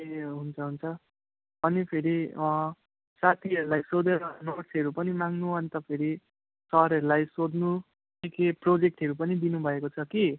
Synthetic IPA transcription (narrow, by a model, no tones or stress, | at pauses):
eɦunt͡sʰʌɦunt͡sʰʌ | ʌnipʰeɾiʌ | sat̪ʰiʌɾulajsod̪eɾʌnoʈsʌɾupʌnimaŋnuʌnit̪ʌpʰeɾi | sʌɦɾʌɾulajsod̪nu | tikeprod͡zek̚ʈʌɾupʌnid̪inubʱʌekot͡sʰʌki